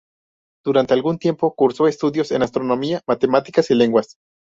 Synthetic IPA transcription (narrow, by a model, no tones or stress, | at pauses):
d̪̥uɾant̪e̞alɡunt̪je̞mpo̞kuɾso̞e̞st̪uðjo̞se̞̰nast̪ɾo̞nõ̞miamat̪e̞mat̪ikasile̞ŋɡwas